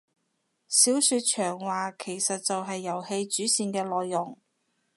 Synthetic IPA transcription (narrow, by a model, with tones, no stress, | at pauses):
siː˨˥wsyː˧t̚t͡ʃʰœː˨˩ŋwaː˨kʰe˨˩jsɐ˨t̚t͡sɐ˨wɦɐ˨jːɐ˨˩whe˧jt͡ʃyː˨˥siː˨nkɛː˧lɔː˨jːʊ˨˩ŋ